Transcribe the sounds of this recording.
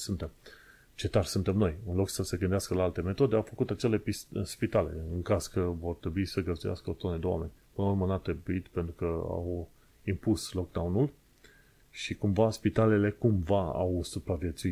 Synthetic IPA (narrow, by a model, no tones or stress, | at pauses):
sunt̪e̞m | t͡ʃe̞t̪arʲsunt̪e̞mno̞jɨnlo̞ksəseɡɨnd̪easkəlaalt̪e̞me̞t̪o̞d̪e̞awfəkut̪at͡ʃe̞le̞pist̪spit̪ale̞̰ɨŋkaz̥kəvo̞rt̪ɾebuisəɡəzd̪uja̰skəot̪oned̪ewa̰me̞nʲpɨnəurmənat̪ɾebuit̪pe̞nt̪ɾukəa̰w | impuslo̞k̚d̪awnul | ʃikumvaspit̪alele̞kumvaa̰wsupɾavje̞t̪sui